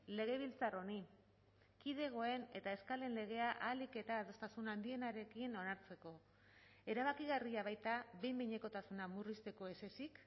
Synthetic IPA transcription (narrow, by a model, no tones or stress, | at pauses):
le̞ɣ̞e̞β̞ilt͡saro̞ni | kið̞e̞ɣ̞o̞e̞ne̞t̪ae̞skale̞nle̞ɣ̞e̞aʔalike̞t̪aːðo̞st̪asunand̪ie̞naɾe̞kino̞naɾt͡se̞ko̞ | e̞ɾaβakiɣariaβajt̪aβe̞jmbiɲe̞ko̞t̪asunamurist̪e̞ko̞e̞se̞sik